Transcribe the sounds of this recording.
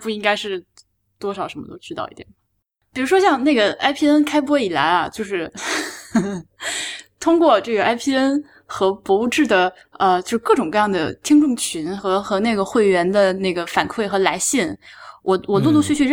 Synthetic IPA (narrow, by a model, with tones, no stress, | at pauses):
pu˥˩i˥ŋka˥ɪʂɻ̩˥˩ | t̪wɔ˥ʂɑ˨˩ʊʂə˧˥nmə˧t̪o˥ʊʈ͡ʂɻ̩˥t̪ɑ˥˧ʊḭ˥˩jɛ̰˨˩n | pi˨˩ɻu˧˥ʂ̬wɔ˥ɕjɑ˥˧ŋne˥˩ɡə˩ʔa˥ɪpʰi˥˩ə˥nkʰa˥ɪp̬wɔ˥i˨˩la̰˧˥ɪɐ˧t͡ɕjo˥˧ʊʂɻ̩˥˩ | t̪ʰʊ˥ŋkwɔ˥˧ʈ͡ʂɤ˥˩ɡə˩ʔa˥ɪpʰi˥˧ə˥n | xɤ˧˥pɔ˧˥u˥˧ʈ͡ʂɻ̩˥˩d̪ə˩ | ə˧t͡ɕjo˥˧ʊʂɻ̩˥kɤ˥˩ʈ͡ʂʊ˨˩ŋkɤ˥˧jɑ˥˩ŋd̪ə̰˩t̪ʰi˥ŋʈ͡ʂʊ˥˩ŋt͡ɕʰy˧˥nxɤ˧˥xɤ˧˥ne˥˩ɪɡə˩xwe˥˩ɪɥɛ˧˥nd̪ə˧ne˥˩ɪɡə˩fa˨˩nkʰwe˥˩ɪxɤ˧˥la˧˥ɪɕi˥˩nwʔɔ˨˧˩wɔ˨˩lɔ˥˧t̪u˥t͡ɕʰy˥˧t͡ɕʰy˥˧˥